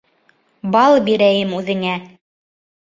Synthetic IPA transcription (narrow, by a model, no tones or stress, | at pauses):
bɑlˠbiɾæjɘmʉðɘ̆ŋæ